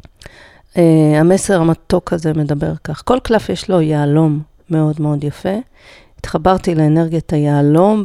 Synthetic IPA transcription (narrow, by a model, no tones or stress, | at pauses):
eame̞se̞ʁamat̪o̞kʰazeme̞dabe̞ʁkaχko̞lklafjeʃlo̞jealo̞mː | e̞o̞dme̞o̞djafe̞ | it̪χabaʁtileeneʁɡjatajeːlo̞m